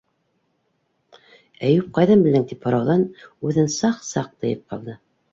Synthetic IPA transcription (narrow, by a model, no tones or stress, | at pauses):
æjʉp̚qɑjðɤmbɘ̆ld̪ɘŋt̪iphŏɾɑwðɑnʉðɘnsɑqsɑq̚t̪ɤ̆jɤp̚qɑlˠd̪ɤ